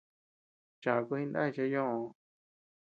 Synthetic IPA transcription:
t͡ʃa˨˧ku˧ĩ˦˧nd̪a̰˦i˧t͡ʃa˧jõ˦õ˧˨

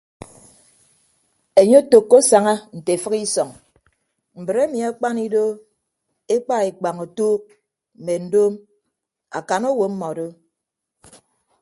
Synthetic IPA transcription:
e˨ɲo˦to˨kːo˦sa˨ŋa˦n̩˨te˨fɨ˦ki˦sɔ˨ŋ | m̩˨bɨ˨ɾe˦mi˨a˦k͡pa˦ni˦do˦ | e˦k͡pa˦e˨k͡pa˨ŋo˨toː˦k̚ | m̩˨me˨n̩˦do˦m | a̰˨ka˨no˦wo˨˦m̩˦mɔ˨do˦

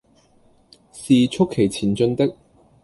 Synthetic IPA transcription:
siː˨t͡ʃʰʊ˥kʰːe˨˩jt͡sʰiː˨˩nt͡ʃɵ˧nt̪ɪ˥k̚

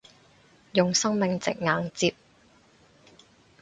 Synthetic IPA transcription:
jʊ˨ŋsɐ˥ŋmɪ˨ŋt͡sɪ̰˨k̚ŋaː˨˧ŋt͡siː˧p̚

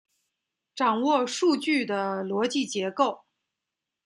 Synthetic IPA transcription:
ʈ͡ʂɑ˨˩ŋwɔ˥˧ʂu˥˧t͡ɕy˥˩d̪ə˩lwɔ˧˥t͡ɕi˥˩t͡ɕjɛ˧˥ko˥˩ʊ

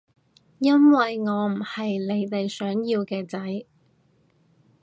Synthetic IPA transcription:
jɐ˥nwɐ˨jŋɔː˨˧m̩˨˩hɐ˨jle˨˧jt̪e˨jsœː˨˥ŋjiː˧wkɛː˧t͡sɐ˨˥j

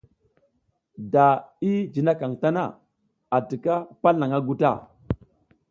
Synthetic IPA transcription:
da˨i˦d͡ʒi˨na˦ka˨ŋta˦na̰˦˨ | a˨ti˨ka˦pa˦lna˨ŋa˦ɡu˦ta̰˦˨

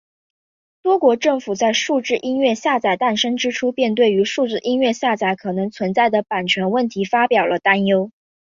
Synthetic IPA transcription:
t̪wɔ˥kwɔ˧˥ʈ͡ʂɤ˥˩ŋfu˨˩t͡sa˥˧ɪʂu˥˧ʈ͡ʂɻ̩˥˩ʔi˥nɥɛ˥˧ɕja˥˩t͡sa˨˩ɪt̪a˥˩nʂɤ˥ŋʈ͡ʂɻ̩˥ʈ͡ʂʰu˥pjɛ˥˧nt̪we˥˩ɪy˧˥ʂu˥˧ʈ͡ʂɻ̩˥˩ʔi˥nɥɛ˥˧ɕja˥˩t͡sa˧˩ɪkʰɤ˨˩nɤ˧˥ŋt͡sʰwə˧˥nt͡sa˥˩ɪd̪ə˩pa˨˩nt͡ɕʰɥɛ˧˥nwə˥˩nt̪ʰi˧˥fa˥pjɑ˨˩ʊlʔə˦t̪a˥njo˥ʊ

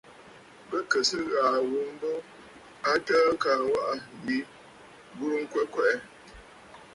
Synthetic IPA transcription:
bə˦kə˨sə˦ɣaː˨wu˨˦m̩˦bə˦ | a˦təː˦kaː˨wa˦ʔa˦bi˨˦ | bu˦ɾŋ̩˦kwe˦kwɛ˦ʔɛ˦

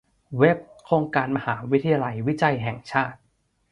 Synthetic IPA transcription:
we˦˥p̚kʰoː˧ŋkaː˧nma˧haː˩˦wi˦˥t̪ʰːa˧jaː˧la˧jwi˦˥t͡ɕa˧jɦɛ˨˩ŋt͡ɕʰaː˥˩t̪̚

